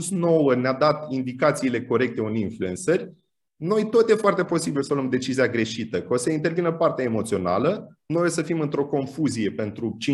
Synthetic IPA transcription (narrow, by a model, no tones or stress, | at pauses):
sno̞wənead̪at̪ind̪ikat̪siːle̞ko̞ɾe̞k̚t̪e̞uninfluensərʲ | no̞jt̪o̞t̪je̞foart̪e̞po̞sibilsəlomd̪e̞t͡ʃiziaɡɾe̞ʃit̪əkosəint̪e̞rvinəpart̪eaemo̞t̪sio̞na̰lə | nojesəfimɨnt̪ɾo̞ko̞nfuzije̞pe̞nt̪ɾut͡ʃi